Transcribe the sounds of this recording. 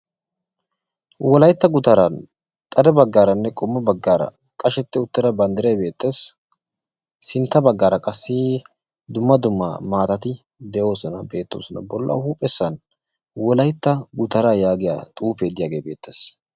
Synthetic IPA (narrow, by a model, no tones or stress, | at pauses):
wɔlɐjt̪ːɐɡʊt̪ɐɾɐn | t̪ʼɐd̪ɛbɐɡːaːɾɐnːɛkʼɔmːɐbɐɡːaːɾɐ̰ | kʼɐʃɛt̪ːɪʊt̪ːɪd̪ɐbɐnd̪ɛɾɛjbe̞ːt̪ːeːs | sɪnt̪ːɐbɐɡːaːɾɐkʼɐsːɪ | d̪ʊmːɐd̪ʊmːɐ̰maːt̪ɐt̪ɪ | d̪ɛjo̞ːsɔnɐbe̞ːt̪ːo̞̰ːsɔnɐ̰bɔlːɐ̰huːpʼɛsːɐn | wɔlɐjt̪ːɐɡʊt̪ɐɾajaːɡɪja̰ːt̪ʼuːfeːd̪ɪjaːɡe̞ːbe̞ːt̪ʰːḛːs